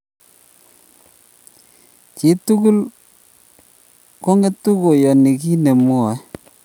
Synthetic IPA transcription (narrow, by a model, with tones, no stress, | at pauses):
ki˨˦tu˦ku˦l | ko˦ŋe˦tu˦ko˨jɔ˨ni˨ki˦ne˨m˦ɔ˨˦